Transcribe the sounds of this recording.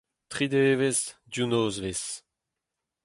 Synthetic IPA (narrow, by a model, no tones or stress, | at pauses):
t̪χid̪eːvezd̪junoːzves